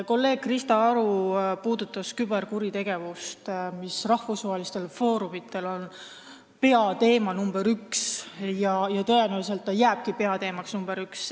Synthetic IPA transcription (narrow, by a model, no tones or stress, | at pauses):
ko̞lːe̞ːɡ̥̚krist̪ɑɑɾupuːd̪̥ut̪ːˑɑskybe̞rkuɾit̪e̞ɡ̥e̞vust̪misrɑhfusvɑɦelist̪e̞lfo̞ːɾumit̪ːˑe̞lo̞n | pe̞ɑt̪e̞ːmɑnumb̥eɾyksjɑjɑt̪ɤjenælis̬e̞lt̪ːɑjæːb̥̚kipe̞ɑt̪e̞ːmɑksnumb̥e̞ɾyks